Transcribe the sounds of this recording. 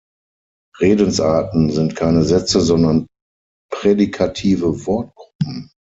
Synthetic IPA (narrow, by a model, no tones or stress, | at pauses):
ʁeːdənsʔaːɐtn̩zɪntkʰaɪnəzɛt͡səzɔndɐn | pʁ̥eːdikʰatʰiːvəvɔɐt̚ɡ̥ʁʊpm̩